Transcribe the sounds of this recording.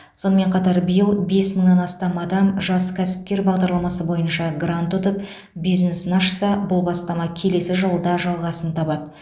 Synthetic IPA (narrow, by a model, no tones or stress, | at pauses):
so̞nəme̞ɴqʰɑt̪ɑɾbəjəlˠbe̞sməɴnɑnɑst̪ɑmɑd̪ɑmʒɑskʲʰæsɪ̥p̚kʲe̞ɾbɑʁd̪ɑɾlˠɑmɑsəbo̞jənʃɑɡrant̪ʊt̪əp | bijznesənɑʃsɑbʊlˠbɑst̪ɑmɑkʲʰe̞le̞sɪʒəlˠəd̪ɑʒɑlˠʁɑsənt̪ʰɑbɑd̪ə